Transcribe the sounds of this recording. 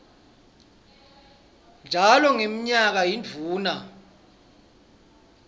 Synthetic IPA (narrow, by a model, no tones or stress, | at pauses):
nd͡ʒʱalɔŋemiɲak̬ajind͡vʱuːna